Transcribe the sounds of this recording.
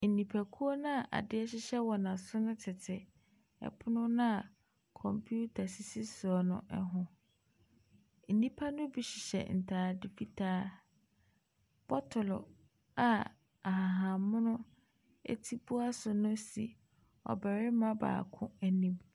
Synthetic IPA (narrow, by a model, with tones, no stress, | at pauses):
n̩˨nĩ˨pʰæ˨kʰu˦o˦nʊ̃˦a˨ʔa̰˨dɪ˦ɛ˦ɕɪ˦ɕɛ˦wɔ˨nã˨sʊ˦nʊ̃˦tʰɪ˨tʰɪ˨ | ɛ̰˨pʰʊ˦nʊ̃˦nʊ̃˦a˨ | kʰɔ̃˨mpʰju˦tʰa˨si˦si˦sʊ˨ɔ˨nʊ̰̃˦˨ʔɛ˨ɦʊ̃˨ | n̩˨nĩ˦pʰa˦nʊ̃˦bi˨ɕɪ˨ɕɛ̰˨n̩˨tʰaː˨dɪ˨fi˨tʰaː˦ | b̥ɔ˦tʰʊ˨lɔ̰˨ | a˨ | a˨ɦã˨ɦã˨mʊ̃˦nʊ̃˦ | ḛ˦tʰi˦bʊ˦a˦sʊ˨nʊ̃˦si˨ | ɔ̰˨bɛ˨ɾɪ˦mã˦ba̰ː˨kʰʊ̃˦æ˨nĩ˦m